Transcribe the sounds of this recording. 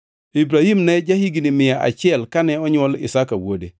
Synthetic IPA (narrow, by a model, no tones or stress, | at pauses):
ibɾahimneɟahiɡinimɪjaa̰t͡ʃɛlkaneɔɲolḭsakawode